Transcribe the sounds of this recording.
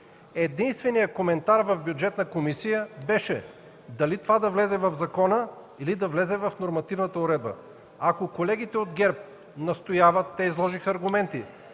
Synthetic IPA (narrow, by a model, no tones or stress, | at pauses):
ɛd̪inst̪vɛnijəkomɛnt̪aɾvɐvbjud͡ʒɛt̪nəkomisijəbɛʃɛ | d̪ɐlit̪ovad̪ɐvlɛzɛvɐvzɐkɔnə | ilid̪ɐvlɛzɛvɐfnoɾmɐt̪ivnət̪əʊɾɛd̪̚bə̰ | akokolɛɡ̟it̪ɛod̪ɡɛɾp̚ | nɐst̪ojavət̪ːɛizlˠɔʒixəɐɾɡʊmɛnt̪i